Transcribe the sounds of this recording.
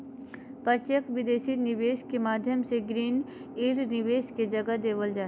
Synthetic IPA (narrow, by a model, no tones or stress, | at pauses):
pɐɾt͡ʃekʋɪd̪eːʃinɪʋeːʃkemaːd̪ʱjəmseɡɾiːn | iːɾnɪʋeːsked͡ʒɐɡəd̪eːʋəld͡ʒaː